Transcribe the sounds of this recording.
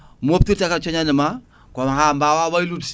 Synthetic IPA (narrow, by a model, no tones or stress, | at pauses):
muop̚tiɾtakat͡ʃɔɲanəma | kɔmahambawawailut